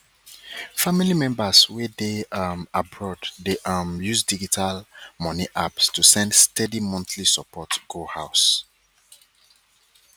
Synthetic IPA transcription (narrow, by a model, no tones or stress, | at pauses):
familimɛ̃mbəswedemabɹɔddeʔʌmjuzdid͡ʒitʰalmɔniʔapstʰusɛ̃ndstɛdimɔ̃nθlisəpʰɔtɡ̥ohaʊs